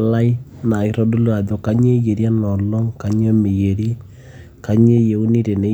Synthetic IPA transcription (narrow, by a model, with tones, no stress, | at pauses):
la˦i˦na˨i˨˦ɾɔ˦du˦lu˦a˨ðo˨ka˦ɲe˦je˨ɾja˦nɔ˨lɔ˦ŋka˨ɲ˦e˦mɪ˨je˨ɾi˦ | ka˨ɲe˦je˨u˦ni˦ɾe˨ne˨˦